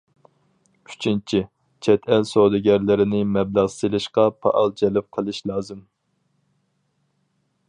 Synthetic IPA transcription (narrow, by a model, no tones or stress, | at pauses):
y̥t͡ʃʰint͡ʃʰi | t͡ʃʰɛt̪ʰɛlsod̪ɪɡʲɛɾlɪɾɪnɪmɛblɑʁselˠɨʃqɑpʰɑ̰ʔɑlˠd͡ʒɛlɪp̚qʰəlˠɨʃlˠɑːzɨm